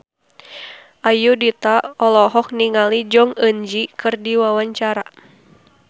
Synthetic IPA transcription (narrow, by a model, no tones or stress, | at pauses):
ʔajudit̪aɔlɔɦɔk̚niŋalid͡ʒɔŋəɲd͡ʒikɨrdiwawaɲt͡ʃaɾa